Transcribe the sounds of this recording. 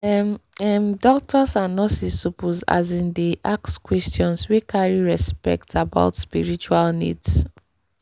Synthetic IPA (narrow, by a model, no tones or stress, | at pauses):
ɛmɛmdɔk̚tʰɔsãnːɔsisupuza̰zĩndeʔakskwɛstjɔ̃nswekʰaɹiɹɛspɛ̰k̚tʰaba̰ʊtspiɹit͡ʃualnḭds